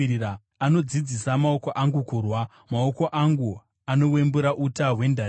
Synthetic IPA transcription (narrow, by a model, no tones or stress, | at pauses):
ia | ano̞d͡zid͡zisamao̞ko̞ʔaŋɡukurwa | mao̞ko̞ʔaŋɡu | ano̞we̞mbuɾaʔutaɦwe̞nda